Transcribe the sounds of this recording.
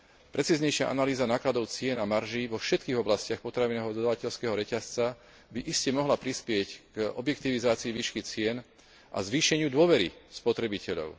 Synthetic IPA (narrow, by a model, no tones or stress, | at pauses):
pɾɛt͡siːzɲɛjʃɪa̰ʔa̰naliːzanaːklad̪ɔʊt͡sɪɛnamaɾʒiʋɔfʃɛt̪̚kiːɣɔblascɪaxpɔt̪ɾaʋinɛːɦɔd̪ɔd̪aʋacɛʎskɛːɦɔɾɛcast͡sa | biʔiscɛmɔɦlapɾispɪɛcɡɔ̰bjɛkt̪iʋizaːt͡siiʋiːʃkit͡sɪɛn | ʔa̰zʋiːʃɛɲɪud̪ʊɔʋɛɾḭspɔt̪ɾɛbicɛʎɔ̰ʊ